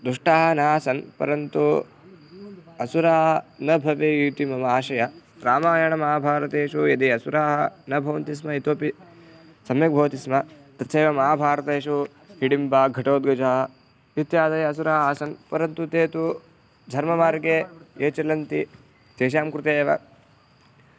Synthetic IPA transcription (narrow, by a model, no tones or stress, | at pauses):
d̪ɾuʂʈaːɦɐnaːsɐnpɐ̰ɾɐnt̪u | ɐsuɾaːɦɐnɐbʱɐʋejut̪imɐmɐaːʃɐjɐ | ɾaːmaːjɐɳɐmɐɦaːbʱaːɾɐt̪eːʂujɐd̪iɐsuɾaːɦɐnɐbʱɐʋɐnt̪is̬mɐit̪oːpi | sɐmjɐk̚bʱɐːɐt̪ismɐ | t̪ɐt̪ːʃeːʋɐmɐɦaːbʱaːɾɐt̪eːʂu | ɦiɽimbaːɡʱɐʈoːd̪̚ɡɐd͡ʒaːɦɐ | it̪jaːd̪ɐjɐɐs̬uɾaːɦɐaːsɐnpɐɾɐnt̪ut̪eːt̪u | d̪ʱɐɾmɐmaːɾɡeːeːt͡ʃɐlɐnt̪i | t̪eːʃ̬aːmkɾut̪eːʋɐ̰